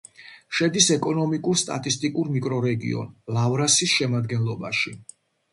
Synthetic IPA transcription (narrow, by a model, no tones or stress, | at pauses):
ʃɛd̪isɛkʼɔnɔmikʼuɾst̪ʼa̰t̪ʼist̪ʼikʼuɾmikʼɾɔɾɛɡḭɔ̰nlavɾasisʃɛmad̪ɡɛnlˠɔbaʃi